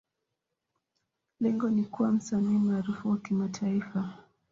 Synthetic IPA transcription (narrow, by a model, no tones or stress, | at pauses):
lɛŋɡɔnikuwam̩saniːmaːɾufuwakimatʰaifa